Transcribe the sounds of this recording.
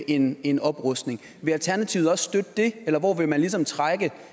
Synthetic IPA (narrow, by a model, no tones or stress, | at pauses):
ʔe̝ne̝nɒ̽b̥ʁɔsd̥ne̝ŋ | ʋe̝ælt͡sʰæɐnæt͡sʰiʊð̩ˠɒ̽ssd̥ød̥əd̥e̝elɐʋɒʋe̝mænlis̬ɒ̽mt͡sʰʁaɡ̥ə